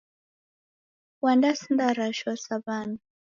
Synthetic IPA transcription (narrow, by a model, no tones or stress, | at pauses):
wandasind̪aɾaʃɔsabana